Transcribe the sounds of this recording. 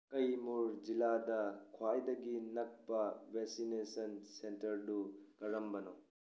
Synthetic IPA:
kɐjmuɾd͡ʒiladɐkʰwajdɐɡinɐk̚pɐbeksinesɐnsentɐɾdukɐɾɐmbɐnɔ

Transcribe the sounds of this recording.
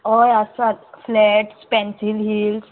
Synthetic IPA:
ɔjasat̪flɛʈspɛ̃nsilɦiːls

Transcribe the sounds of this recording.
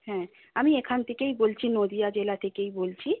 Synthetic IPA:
hɛ̃ | amiekʰant̪ʰekejbolt͡ɕʰinod̪iad͡ʑelat̪ʰekejbolt͡ɕʰi

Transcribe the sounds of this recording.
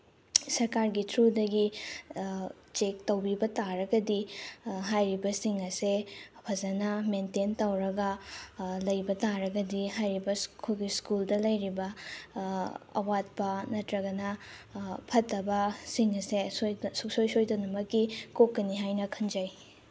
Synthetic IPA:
sɐɾkaɾɡitʰɾudɐɡi | t͡ʃek̚tɐwbibɐtaɾɐɡɐdiɦajɾibɐsiŋɐsepʰɐzɐnɐmententɐwɾɐɡɐ | lɐjbɐtaɾɐɡɐdiɦajɾibɐskʰoɡiskuldɐlɐjɾibɐ | ɐ̰wat̚pɐnɐtɾɐɡɐnɐ | pʰɐtːɐbɐsiŋɐsessuk̚sojsojtɐnɐmɐkːikokːɐniɦajnɐkʰɐnd͡ʒɐj

